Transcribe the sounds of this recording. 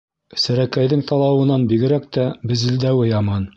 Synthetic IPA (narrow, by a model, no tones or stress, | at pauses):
sæɾækæjðɘŋt̪ʰɑlˠɑwɤ̆nɑnbiɡɘ̆ɾæk̚t̪æbɘ̆zĭld̪æwɘjɑmɑn